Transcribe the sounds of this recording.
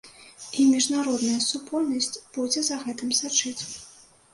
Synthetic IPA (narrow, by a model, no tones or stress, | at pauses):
imʲiʐnaɾɔd̪nɐjɐsupɔlʲnɐsʲt͡sʲb̥ud͡zʲɛzɐɣɛt̪ɨmsat͡ʂɨt͡sʲ